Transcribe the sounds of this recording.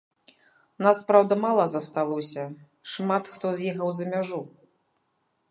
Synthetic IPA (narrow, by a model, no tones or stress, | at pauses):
naspɾawd̪ɐmalˠɐzɐst̪alˠɔsʲɐ | ʂmat̪xt̪ɔzʲjiɣɐwzɐmʲaʐu